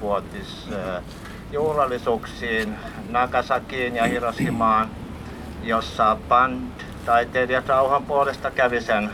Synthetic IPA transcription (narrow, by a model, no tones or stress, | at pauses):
uot̪is | juːhrɑlːˑisuːksiːn | nɑkɑsɑkiːnjɑhirɑsimɑːn | josːɑpɑnt̪ | t̪ɑit̪elijɑt̪rɑuhɑmpuolest̪ɑkæʋisen